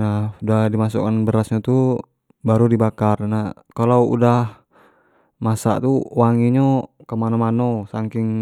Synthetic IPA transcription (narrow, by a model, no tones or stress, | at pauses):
naudahdimasukanbəɾasɲat̪u | baɾudibakarnah | kalaṵdah | masa̰ʔt̪uwaŋiɲo | kamanomanosaŋkɪŋ